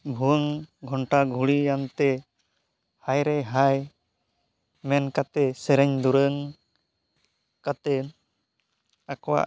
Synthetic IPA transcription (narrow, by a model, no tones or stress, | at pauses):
bʱuwəŋɡʱɔɳʈaɡʱuɽijant̪ɛ | hajɾɛɦaj | mɛnkat̪ɛsɛɾəɲd̪uɾəŋ | kat̪ɛ | akɔwa̰ʔ